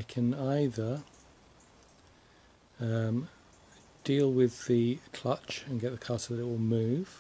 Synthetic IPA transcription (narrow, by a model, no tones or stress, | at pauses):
aɪkʰə̃naɪðə | ʌm | d̥iːlˠwɪðəkʰl̥ʌt͡ʃə̃nɡɛʔðəkʰɑˑsəðəɾɪʔ̚wɪlˠmʉːv̥